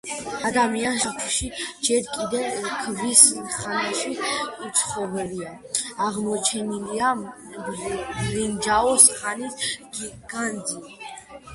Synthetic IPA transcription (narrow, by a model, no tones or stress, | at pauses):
ad̪amianʃat̪ʰuʃid͡ʒɛɾkʼid̪ɛvkʰəvisinχanaʃiut̪sʰχɔvɛliaaʁmɔt͡ʃʰɛnilia | lind͡ʒaɔsχanisɡɡ̥and͡zi